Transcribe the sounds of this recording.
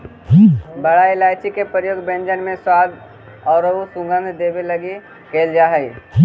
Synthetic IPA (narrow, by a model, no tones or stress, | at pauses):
bɐɽaɪlaːjt͡ʃikepəɾjoːɡbẽnd͡ʒənmẽswaːd̪ | ɔːɾəusũɡə̃nd̪d̪eːbelɐɡi | keːld͡ʒaːɦəi